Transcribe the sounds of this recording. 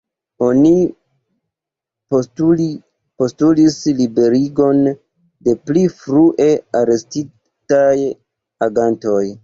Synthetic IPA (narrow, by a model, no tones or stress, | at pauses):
o̞ni | po̞stulislibe̞ɾiɡo̞n | de̞plifɾuʔe̞aɾe̞sti | taj | aɡanto̞j